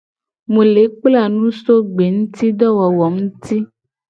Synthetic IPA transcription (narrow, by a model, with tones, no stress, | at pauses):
mũ˨le˨˦k͡pla˦˨nũ˦so˦ɡ͡be˨ŋũ˦t̪i˦ɖɔ˦wɔ˨wɔ˨ŋũ˦t̪i˦